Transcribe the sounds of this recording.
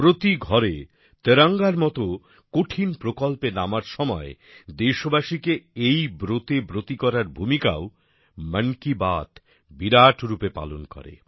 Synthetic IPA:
pɾot̪iɡʱɔɾe | t̪eɾaŋɡaɾmɔt̪o | koʈʰinpɾokɔlpenamaɾʃɔmɔe | d̪eʃobaʃikeejbɾot̪ebɾot̪ikɔɾaɾbʱumika̰o | məŋkibat̪ | biɾaʈʰɾupepa̰lonkɔ̰ɾḛ

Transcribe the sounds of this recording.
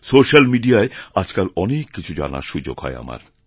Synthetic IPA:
soʃalmiɖiaead͡ʑkalɔnekːit͡ɕʰud͡ʑa̰na̰ɾʃud͡ʑoɡɦɔ̰ea̰ma̰ɾ

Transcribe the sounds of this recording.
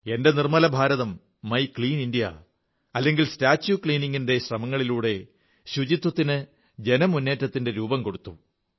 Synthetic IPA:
e̞nde̞nirmɐlɐbʱaːɾɐðɐmː | ɐjkɭiːnindijɐ̰ | ɐlːe̞ŋɡilstaːt͡ɕːukɭiːniŋːinde̞ɕrɐmɐŋːɐɭiluːɽe̞ | ɕud͡ʑit̪ːwɐt̪ːinɨ | d͡ʑe̞nɐmunːe̞ːtːɐt̪ːinde̞ɾuːbɐmko̞ɽut̪ːu

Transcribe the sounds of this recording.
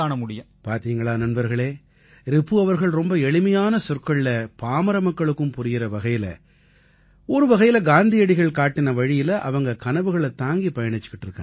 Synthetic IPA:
aːnɐmʊɽɪjɐ | paːɾt̪iːŋɡɐɭaːnɐnbɐɾɣɐɭeː | ɾɪpːɯɐʋɐɾɣɐɭɾɔmbɐɛɭɪmɐjaːnɐsʊrkɐɭɪlɐpaːmɐɾɐmɐkːɐɭɯkːɯmpʊɾɪjɪɾɐʋɐɣɐjɪlɐ̰ | ɔɾɯʋɐɣɐjɪlɐɡaːnd̪ɪjɐɽɪɣɐɭkaːʈːɪnɐʋɐɻɪjɪlɐʔɐ̰ʋɐŋɡɐkɐnɐʋɯɣɐɭɐt̪ːaːŋɡipɐjɐɳɪt͡ʃːɯ̥kːɪʈːɪɾɯkːa

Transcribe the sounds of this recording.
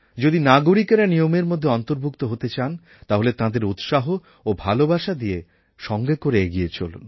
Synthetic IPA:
d͡ʑod̪inaɡuɾikeɾanijomeɾmod̪ʱːeɔnt̪oɾbʱukt̪oɦot̪et͡ɕan | t̪aɦolet̪ãd̪eɾut̪ʃaɦoː | bʱalobaʃad̪ie | ʃɔŋɡekoɾeeɡiet͡ɕʰo̰lṵn

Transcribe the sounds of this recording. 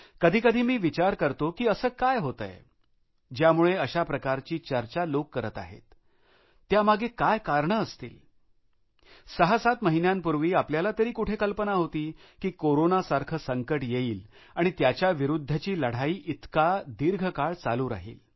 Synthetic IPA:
kəd̪ʱiːkəd̪ʱiːmiːʋit͡ɕaɾkəɾt̪okiːəsəːkajɦot̪ə̰j | d͡ʑjamuɭeəɕapɾəkaɾt͡ɕiːt͡ɕəɾt͡ɕalokːəɾət̪a̰ɦḛt̪ː | jamaɡekajkaɾɳəːst̪ḭːl | səɦasat̪məɦinjãmpuɾʋiːapljalat̪əɾiːkuʈʰekəlpənaɦot̪iːkiːkoɾonasaɾkʰəsəŋkəʈjeiːl | aɽ̃it̪jat͡ɕjaʋiɾud̪ʱːət͡ɕiːləɽ̤aiːʔit̪kad̪iɾɡʱəkaɭt͡saluːɾa̰ɦḭːl

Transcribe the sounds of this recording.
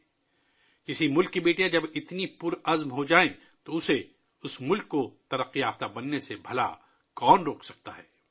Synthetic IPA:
kɪsimʊlkːibeːʈijãd͡ʒɐbɪt̪nipʊɾɐzmɦod͡ʒaːẽ | t̪oʊse | ʊsmʊlkːot̪ɐɾɐqːiaːft̪abɐnːesebʱɐla̰ | kɔːnɾoːksɐk̚t̪aɦɛː

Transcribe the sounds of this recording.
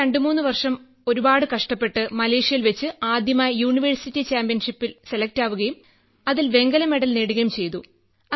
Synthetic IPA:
eɳɖɨmuːnːɨʋɐrʂɐm | o̞ɾubaːɽɨkɐʂʈɐpːe̞ʈːɨmɐle̞ːʂijɐlʋet͡ɕːɨaːd̪jɐmaːjɐjuːɳiʋɐrsitːit͡ɕaːmpijɐnʂipːilse̞lɐk̚taːʋuɣɐjum | ɐðilʋe̞ŋɡɐlɐme̞ɽɐlneːɽuɣɐjumt͡ɕe̞jt̪ṵ | ɐ

